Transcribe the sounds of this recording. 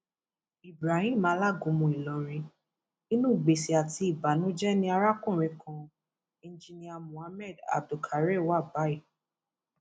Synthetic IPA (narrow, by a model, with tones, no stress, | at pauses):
i˨bɾa˨˦hĩ˦˨˦mãː˨˦la˦˨ɡũ˨˦mũ˧i˨lɔ˨ɾ̃ĩ˧ | i˦nũ˦˨ɡ͡be˨si˨a˨ti˧i˨ba˨nũ˨˦d͡ʒɛ˦nĩ˧˦a˧ɾa˦kũ˦˨ɾ̃ĩ˧kʰã˧ | ĩ˧˦d͡ʒi˧nĩ˧a˧mũ˨a˧mɛ˦˨da̰˨du˨kʰa˨ɾe˦˨wa˦˨ba˨˦i˦˨